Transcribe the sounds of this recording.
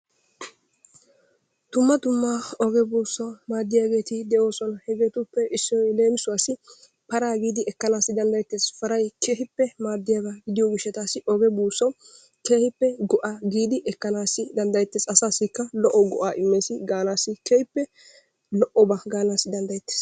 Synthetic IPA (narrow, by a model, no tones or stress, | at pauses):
t̪ʊmːɐt̪ʊmːaːɔɡɛbuːsːɐmaːd̪ːɪjaːɡe̞ːt̪ɪd̪ɛʔo̞ːsɔnɐhɛɡeːt̪ʊpːɛʔɪsːɔjle̞ːmɪsʊwaːsɪ | pɐɾaːɡiːd̪ɪʔɛkːɐnaːsːɪd̪ɐnd̪ɐjt̪ːesfɐɾɐjkeːɦɪpːɛmaːd̪ːɪjaːɡaɡɪd̪ɪjɔɡɪʃːɛt̪aːsɪʔɔɡɛbuːsːɔw | keːhɪpːɛɡɔʔaːɡiːd̪ɪʔɛkːɐnaːsːɪd̪ɐnd̪ɐjt̪ːɛsɐsaːsɪkːɐlɔʔɔɡɔʔaːʔɪmːeːsɪɡaːnaːsːɪkehɪpːɛ | lɔʔɔbaɡaːnaːsːɪd̪ɐnd̪ɐjt̪ːe̥ːs